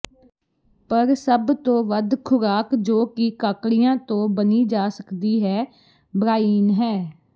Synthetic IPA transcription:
pəɾsəbt̪õːʋəd̪kʰʊɾaːkd͡ʒoːkɪkaːkɽɪjãːt̪õːbəniːd͡ʒaːsəkd̪iːɦɛː | bɾaːiːnɦɛː

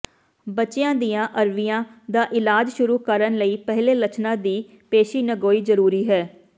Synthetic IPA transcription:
bətːt͡ʃɪjãːd̪ijãːʔəɾʋijãːd̪aːʔɪlaːd͡ʒʃʊɾuːkəɾənləiːpɛɦleːlət͡ʃnãːd̪iː | peːʃiːnəɡoːiːzəɾuːɾiːɦɛː

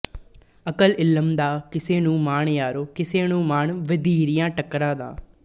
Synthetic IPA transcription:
əkəlɪləmd̪aːkɪseːnũːmaːɳjaːɾoːkɪseːnũːmaːɳʋəd̪iːɾɪjãːʈəkːɾãːd̪ã̰ː

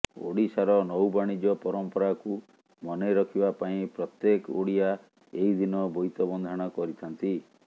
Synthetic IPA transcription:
o̰ɽisaɾɔnɔwbaɽ̃id͡ʒɔpɔɾɔmpɔɾaku | mɔneɾɔkʰibapaĩpɾɔt̪jekoɽia | eid̪inɔbʱɔjt̪ɔbɔnd̪ʱaɽ̃ɔkɔɾit̪ʰant̪i

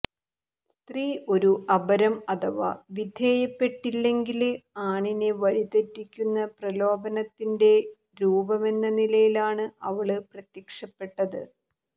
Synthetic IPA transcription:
st̪riːʔo̞ɾuʔɐbɐɾɐmɐt̪ʰɐʋɐ̰ʋid̪ʱeːjɐpːe̞ʈːilːe̞ŋɡilaːɳineʋɐɻit̪ɐtːikʲːunːɐprɐlo̞ːbɐnɐt̪ːinde̞ | ɾuːbɐme̞nːɐnilɐjilaːɳɨɐʋɐɭɨprɐt̪jɐkʂɐpːe̞ʈːɐðɨ̰

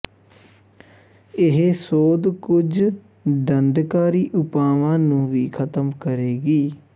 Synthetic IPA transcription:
ɪɦeːsoːd̪kʊd͡ʒ | ɖəɳɖkaːɾiːʔʊpaːʋãːnũːʋiːkʰət̪əmkəɾeːɡiː

